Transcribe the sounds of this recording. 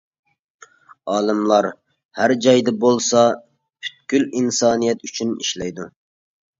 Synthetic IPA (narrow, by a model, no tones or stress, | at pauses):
ɑːlˠɨmlˠɑɾ | hæɾd͡ʒɑjd̪ɨbolˠsɑ | pʰy̥t̪̚kʲylinsɑːnijɛt̪yt͡ʃʰyniʃlɛjd̪u